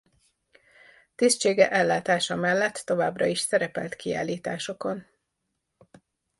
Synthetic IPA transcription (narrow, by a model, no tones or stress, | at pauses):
t̪ist͡ʃeːɡɛʔɛlːaːt̪aːʃɒmɛlːɛt̪ːo̞vaːbrɒiʃsɛɾɛpɛlt̪kia̰ːlːiːt̪aːʃo̞ko̞n